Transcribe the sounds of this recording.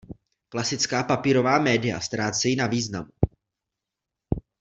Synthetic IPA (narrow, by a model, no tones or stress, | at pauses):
klasɪt͡skaːpapiːɾo̞vaːmɛːdɪja̰st̪ɾaːt͡sɛjɪnaviːznamu